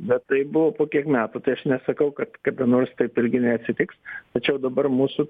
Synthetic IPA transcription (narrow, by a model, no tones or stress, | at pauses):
bʲɛt̪tɐɪbʊʋoːpoːkʲiɛkmʲæːt̪uːt̪ɐɪɐʃnʲɛsɐkɐʊkɐt̪kɐd̪ɐnoːrst̪ɐɪpɪɾʲɡʲɪnʲɛɐtʲsʲɪt̪ʲɪkst̪ɐt͡ʃʲɛʊd̪ɐbɐrmuːsʊ